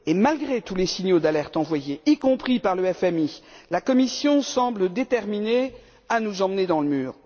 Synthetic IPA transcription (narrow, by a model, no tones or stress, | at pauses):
emalɡʁet̪ulesiɲjod̪alɛʁt̪ɑ̃vwajeikɔ̃pχipaʁləɛfɛmilakɔmisjɔ̃sɑ̃bləd̪et̪ɛʁmine | anuzɑ̃məned̪ɑ̃ləmyːʁ